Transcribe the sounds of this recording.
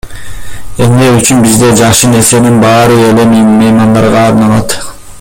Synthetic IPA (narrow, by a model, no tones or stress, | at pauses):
e̞mneyt͡ʃynbizd̪e̞d͡ʒɑχʃɯne̞ɾse̞ninbɑːɾɯe̞le̞mmɯjmɑnd̪ɑɾʁɑːɾnɑlˠɑt̪